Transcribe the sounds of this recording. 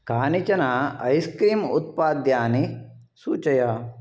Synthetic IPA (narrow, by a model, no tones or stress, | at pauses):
kaːnit͡ʃɐnaːɐ̰jskɾiːmṵt̪̚paːd̪jaːni | suːt͡ʃɐja